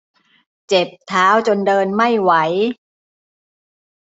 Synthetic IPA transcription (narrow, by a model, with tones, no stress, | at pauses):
t͡ɕe˨˩p̚t̪ʰaː˦˥wt͡ɕo˧ndɤː˧nma˥˩jwa˦j